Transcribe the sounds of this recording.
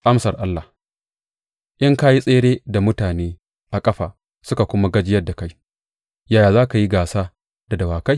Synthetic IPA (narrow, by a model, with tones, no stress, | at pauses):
ʔa˦msɐ˨rʔa˦lːa˨ | ʔɪ˦ŋka˦ji˦sʼeː˦ɽeː˦da˨mʊ˦taː˨neː˦ | ʔa˨kʼɐ˦ɸa̰ː˨ | sʊ˦ka˨kʷʊ˦ma˦ɡɐ˦d͡ʒɪ˦jɐ˦dːa˨ka˦j | jaː˦˨jaː˨zaː˦ka˨ji˦ɡaː˨saː˦ | d̥a˨dɐ˨waː˨ka˦j